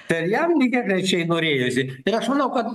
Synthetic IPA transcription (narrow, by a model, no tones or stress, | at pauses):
tɐɾjɛmnʲɪkʲɛkɾʲɐɪt͡ʃʲɛɪnoːɾʲeːjosʲɪɪɾɐʃmɐnɐʊkɐt̪